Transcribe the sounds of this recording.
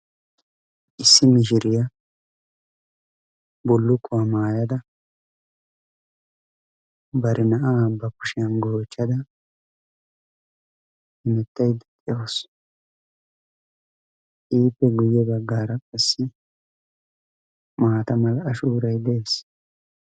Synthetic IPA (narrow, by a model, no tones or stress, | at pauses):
ʔɪsːɪmɪʃ̬ɪɾɪjɐ | bʊlːʊkːʊwamaːjɐd̪ɐ | bɐɾɪnɐʔabːɐkʊʃɪjɐnɡoːt͡ʃːɐd̪ɐ | hɪmɛt̪ːɐjd̪ɛt̪ʼɪjos | iːpːɛɡʊjːɛbɐɡːaːɾɐkʼɐsːɪ | maːt̪ɐmɐlɐːʃuːɾɐjd̪eeːs